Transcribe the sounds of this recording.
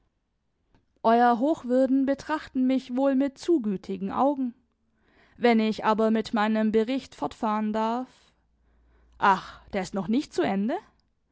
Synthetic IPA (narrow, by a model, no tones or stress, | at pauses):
ʔɔʏɐɦoːxv̥ʏɐdn̩bətʁ̥aχtn̩mɪçvoːlmɪtt͡suːɡyːtʰɪɡŋ̩ʔa̰ʊɡŋ̩ | vɛnɪçʔaːbɐmɪtmaɪnəmbəʁɪçtfɔɐtfaːʁəndaɐf | ʔaχd̥eːɐɪstnɔχnɪçt̚t͡suʔɛndə